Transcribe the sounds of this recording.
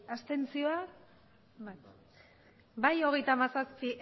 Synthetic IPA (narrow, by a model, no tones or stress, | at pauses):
ast̪e̞nt͡sio̞a | b | bajo̞ɣ̞e̞jt̪amasaspiʔ